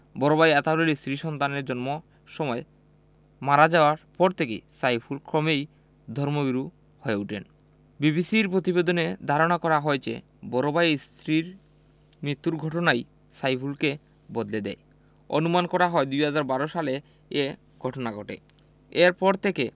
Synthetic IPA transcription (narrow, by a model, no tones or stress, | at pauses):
bɔɾobajɛt̪aloɾist̪ɾiʃɔnt̪aneɾd͡ʑɔnmo | ʃɔmɔe | maɾad͡ʑaoaɾpɔɾt̪ʰekḛsajpʰulkɾɔmej | d̪ʱɔɾmoɡiɾu | hɔeuʈʰen | bibisiɾpɾot̪ibed̪oned̪ʱaɾoñakɔɾaɦɔet͡ɕḛ | bɔɾobast̪ɾiɾ | mɾit̪ːuɾɡʱɔʈonaj | sajpʰulke | bɔd̪led̪ɛ̰e | o̰numankɔɾaɦɔed̪ujɦad͡ʑaɾbaɾoʃale | e | ɡʱɔʈonaɡʱɔʈḛ | eɾpɔɾt̪ʰeke